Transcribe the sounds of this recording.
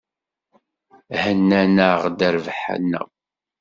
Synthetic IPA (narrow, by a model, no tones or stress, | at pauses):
hənːænəʁd̪əɾvħa̰nːə̰